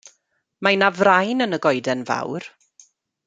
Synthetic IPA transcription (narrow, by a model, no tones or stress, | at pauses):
majnavrajnənəɡɔjdɛnva̰wr